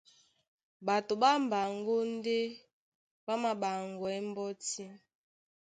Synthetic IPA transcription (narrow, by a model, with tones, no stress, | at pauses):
ba˨to˨ɓa˦m˨ba˨ŋɡo˦n˦de˦ | ba˦ma˨ɓa˨ŋɡɔ˨ɛ˦m˦bɔ˦ti˦